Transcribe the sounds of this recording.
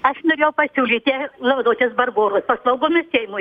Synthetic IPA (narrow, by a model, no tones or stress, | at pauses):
ɐʃnoːɾʲeːjɛʊpɐsʲuːlʲiːt̪ʲelˠɐbɐd̪oːt͡ʃʲosbɐrboːɾoːspɐslˠɐʊɡoːmʲɪsʃʲɛɪmʊ